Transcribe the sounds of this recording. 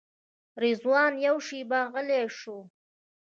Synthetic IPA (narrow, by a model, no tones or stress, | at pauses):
ɾizwɑːnjawʃibɑɣəleʂu